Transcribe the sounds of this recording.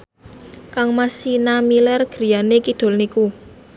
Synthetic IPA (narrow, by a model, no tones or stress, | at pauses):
kaŋmasinamilɛrɡ̥ɾi̤janekid̪̥o̤lniku